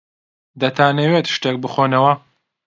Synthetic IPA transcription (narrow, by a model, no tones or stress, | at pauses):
d̪ɐt̪ʰaːnewet̪ʃt̪eːk̚bɨxonɐwɐ